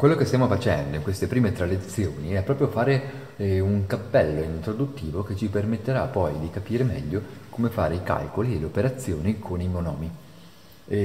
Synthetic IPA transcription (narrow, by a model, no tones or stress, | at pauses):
kwelːokest̪jamofat͡ʃɛnd̪oiŋkwest̪epɾiːmet̪ɾalet̪sːjoːniɛpːɾɔːpɾjofaːɾe | uŋkapːɛlːoint̪ɾod̪ut̪ːiːvok̟et͡ʃːipermet̪ːeɾapːɔjd̪ikapiːɾemɛ̰ʎːokomefa̰ːɾeika̰lkolieleopeɾat̪sːjoːnikʰonimionɔːmi